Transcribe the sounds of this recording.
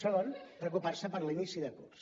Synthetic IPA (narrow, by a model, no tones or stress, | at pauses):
olonpɾəkuparsəpəɾlinisiðəkṵps